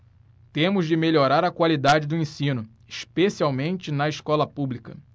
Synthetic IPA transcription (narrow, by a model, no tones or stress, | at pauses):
t̪ẽmʊzd͡ʒɪmeʎoɾaɾɐkwalid̪ad͡ʒɪd̪ʊẽsĩnʊ | ɪʃpesiawmẽnt͡ʃɪnɐɪʃkɔlɐpublikɐ